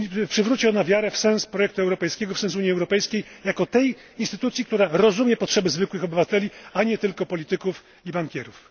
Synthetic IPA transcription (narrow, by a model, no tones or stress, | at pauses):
pʂɘvɾut͡ɕiɔnavʲjaɾɛfsɛ̃ñspɾɔjɛk̚t̪uɛwɾɔpɛjskʲɛɡɔfsɛ̃nsuɲiɛwɾɔpɛjskʲejjakɔt̪ɛj | inst̪ɘt̪ut̪sʲjikt̪uɾaɾɔzumjɛpɔtʂɛbɘzvɘkwɘxɔbɘvat̪ɛlʲiaɲɛt̪ɘlkɔpɔlʲit̪ɘkuf | ibaŋkʲɛɾuf